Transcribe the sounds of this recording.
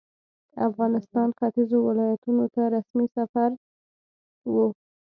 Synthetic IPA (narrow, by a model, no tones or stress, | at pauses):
afɣɑnɪst̪ɑnxat̪izowɪlɑjat̪unot̪aɾasmisafaɾ | wu